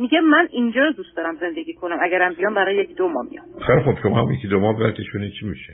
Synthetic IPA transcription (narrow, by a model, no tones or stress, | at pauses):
miɡemænind͡ʒɒːɾod̪ust̪ɒːɾæmze̞nd̪eɡʲiːkʰonæmæɡæɾæmbijɒːmbæɾɒːjejecʰʲid̪omɒ̰mḭjɒ̰xeɾxobʃomɒ̰mjekʲʰid̪omɒbæɾkʲʰeʃunid̪t͡ʃʰimiʃe